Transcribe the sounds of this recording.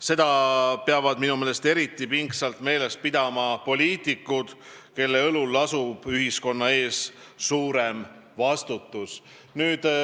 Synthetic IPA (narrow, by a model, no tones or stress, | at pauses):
se̞d̪̥ɑpeɑvɑd̪̥minumeːlest̪e̞ɾit̪ːˑipiŋksɑlt̪me̞ːle̞st̪̚pid̪̥ɑmɑpo̞lʲiːt̪ˑikːˑud̪̥ | ke̞lːe̞ɤlulːɑsub̥yɦisko̞nːɑe̞ːs | suːɾe̞mvɑst̪ut̪ːˑus | nyːd̪̥